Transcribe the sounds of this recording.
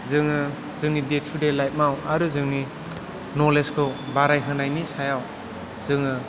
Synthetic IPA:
zɯŋɯ | z̥ɯŋnidet̚ʰudelajt̚mawaɾɯzɯŋni | nɔleskʰɯwbaɾajɦɯnajnisajaw | z̥ɯŋɯ

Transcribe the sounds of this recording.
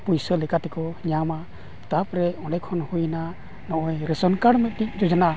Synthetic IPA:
pujsɔlɛkat̪ɛkɔɲama | t̪apɾɛɔ̃ɖɛkʰɔnhujna | nɔʔɔjɾɛsɔnkaɽmɛt̪tic̚d͡ʒɔd͡ʒɔna

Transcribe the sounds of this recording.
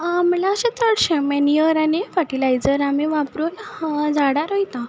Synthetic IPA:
am̤əlaəɕãt̪əɽɕɛ̃mɛniəɾanefaʈilajd͡zəɾameʋapɾold͡zaɽaɾojt̪ã

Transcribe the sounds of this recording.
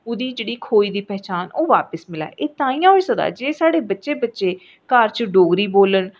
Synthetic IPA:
ʊd̪iːd͡ʒeːɽiːkʰoːiːd̪iːpɛːt͡ʃaːnoːʋaːpəsmɪla̰ːʔeːt̪ãːĩːjãːɦoisəd̪a̰ːd͡ʒeːsaːɽeːbətːʃeːbətːʃeː | kəɾt͡ʃɖoːɡɾiːboːləɳ

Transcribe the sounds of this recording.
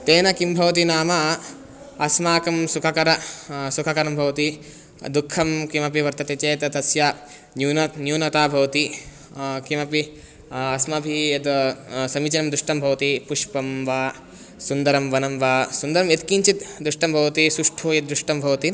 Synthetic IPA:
t̪eːnɐkimbʱɐʋɐt̪̬inaːmɐ | ɐsmaːkɐmsukʰɐkɐɾɐsukʰɐkɐɾɐmbʱɐʋɐt̪i | d̪ukʰːɐmkimɐpiʋɐɾt̪ɐt̪et͡ʃeːt̪ɐt̪ɐsja | njuːnɐnjuːnɐt̪aːbʱɐʋɐt̪i | kimɐpi | ɐsmɐbʱijɐt̪sɐmit͡ʃɐnɐmd̪ɾuʂʈɐmbʱɐʋɐt̪ipuʂpɐmʋaː | sund̪ɐɾɐmʋɐnɐmʋaːsund̪ɐɾɐmjet̪kiɲt͡ʃit̪d̪ɾuʂʈɐmbʱɐʋɐt̪isuʂʈʰoːjɐd̪ɾuʂʈɐmbʱɐʋɐt̪i

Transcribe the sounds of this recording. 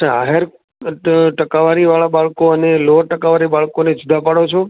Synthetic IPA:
aaɦeɾ | ʈəkaʋaːɾiʋaɭaɓaːɭkoəneloːɾʈəkaʋaɾiɓaːɭkoned͡ʒʊd̪ʱapaɽot͡ʃʰo

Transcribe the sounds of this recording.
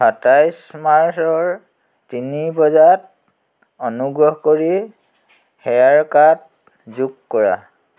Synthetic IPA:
atajsmaɹsɔɹ | tinibɔzat̚ | ɔnuɡɹɔɦkoɹi | xɛɹaɹkat̚ | zuɡkɔɹa̰

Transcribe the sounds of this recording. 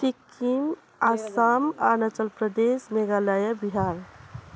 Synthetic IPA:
t̪ikːim | asamanət͡ʃəlpɾəd̪esneɡalajəbiɦaɾ

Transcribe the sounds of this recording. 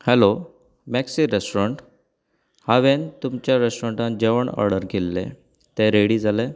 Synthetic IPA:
hɛlo | mɛksiɾesʈɾəɳʈ | haʋent̪umt͡ɕjaɾesʈɾə̃ɳʈãn̚d͡ʑeʋəɳə̰ɾɽəɾɡʱelːḛ̃ | t̪ẽɾeɽiːd͡zʱale

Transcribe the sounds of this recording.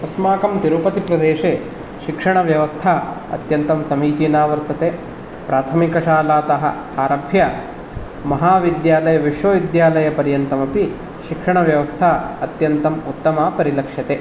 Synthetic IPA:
ɐsmaːkɐmt̪iɾupɐt̪ipɾɐd̪eːʃeː | ʃikʂɐɳɐʋjɐʋɐst̪ʰaɐ̰t̪jɐnt̪ɐmsɐmiːt͡ʃiːnaːʋɐɾt̪ɐt̪eː | pɾaːt̪ʰɐmikɐʃaːlaːt̪ɐɦɐ̰ | aːɾɐbʱjɐ | mɐɦaːʋid̪jaːlɐjɐʋiʂʋɐʋid̪jaːlɐjɐpɐɾjɐnt̪ɐmɐpi | ʃikʂɐɳɐʋjɐʋɐst̪ʰaːɐt̪jɐnt̪ɐmut̪ːɐmaːpɐɾilɐkʂjɐt̪e

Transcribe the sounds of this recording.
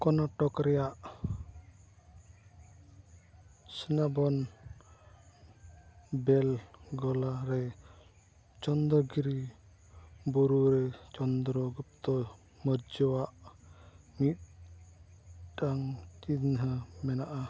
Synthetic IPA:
kɔnaʈɔkɾɛjaʔ | sənabɔn | bɛlɡɔlaɾɛ | t͡ʃɔnd̪ɔɡiɾi | bɔɾuɾɛt͡ʃɔnd̪ɾɔɡup̚t̪ɔ | məɾd͡ʒɔwaʔ | mit̪̚ | ʈaŋt͡ʃinɦəmɛnaʔa

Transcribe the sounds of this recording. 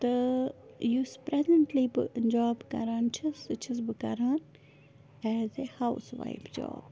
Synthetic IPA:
t̪ɐ | juspɾɛzə̃ɳʈlibɨ̰ʔənd͡ʒaːbkɐ̰ɾãːnt͡ʃʰɐsɨt͡ʃʰɐsbɨkɐɾaːn | ɛːzehaʊsʋa̰ɪfd͡ʒɔ̰ːb

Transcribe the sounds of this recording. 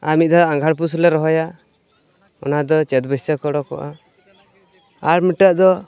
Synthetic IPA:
aɾmit̪̚d̪aaŋɡʱaɽp̬uslɛɾɔɦɔja | ɔ̰nad̪ɔt͡ʃɛt̪bɔst̪akɔɽɔkɔ̰ʔa | aɾmiʈəʔ̚d̪ɔ

